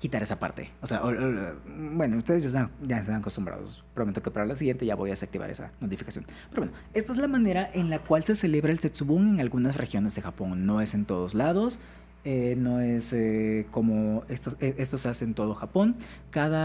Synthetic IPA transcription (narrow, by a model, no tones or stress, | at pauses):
kit̪aɾe̞sapa̰ɾt̪e̞̰osea̰ʔo | bwenoust̪eðezʝaest̪aŋʝaest̪aŋakost̪umbɾa̰ð̞o̰spɾoment̪okepaɾalasiɣje̞nt̪e̞ʝaβo̞jaesak̚t̪iβa̰ɾesa̰no̞t̪ifikasjo̞̰n | peɾowenoe̞st̪aezlamãne̞ɾaʔe̞nlakwalse̞se̞le̞βɾaelset̪suβuŋe̞ŋalɣunasrexjo̞ne̞zðe̞xapo̞ŋno̞e̞se̞nt̪o̞ð̞o̞zlaðo̞s | eno̞e̞seko̞moest̪aeest̪o̞sease̞ːnt̪o̞ð̞o̞xapo̞ŋ | kaða